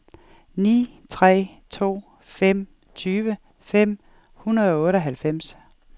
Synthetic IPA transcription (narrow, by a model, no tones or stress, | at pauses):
nḭː | t͡sʰʁɛ̰ː | t͡sʰo̝̰ː | fem̰ | t͡sʰyːʋə | fem̰ | hunɐð̞ˠɒ̽ɔ̽ːɾəɒɦælfem̰s